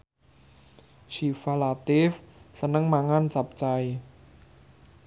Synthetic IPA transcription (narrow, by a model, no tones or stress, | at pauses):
ʃifalat̪ɪfsənəŋmaŋant͡ʃap̚t͡ʃai